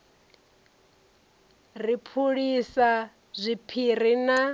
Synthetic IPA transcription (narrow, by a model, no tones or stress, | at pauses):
ripʰuɺisa | zʷipʰiɾ̤ina